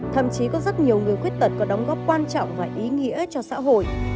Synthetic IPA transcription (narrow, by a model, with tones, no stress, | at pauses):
t̪ʰə̰˧˨mt͡ɕi˨˦kɔ˨˦zə˦˥t̚ɲi˨˩əwŋɨ˨˩əjxwi˦˥ət̚t̪ə˨˩t̚kɔ˨˦ɗə˨˦wŋ͡mɣɔː˦˥p̚kwaː˧nt͡ɕɔ̰˧˨wŋ͡mvaː˨˩ʔi˨˦ŋḭ˧˥ət͡ɕɔ˧sa̰ː˧˥ɦo̰˧˨j